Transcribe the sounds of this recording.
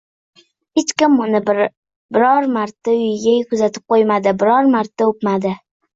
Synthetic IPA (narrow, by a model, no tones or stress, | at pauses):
het͡ʃkʲɪmʊnɪ | bɪɾɒɾmaɾt̪ːaʊjɪɡʲakʰʊzat̪ʰɪ̥p̚qʰojmad̪ɪbɪɾɒɾmaɾt̪ːaop̪mad̪ɪ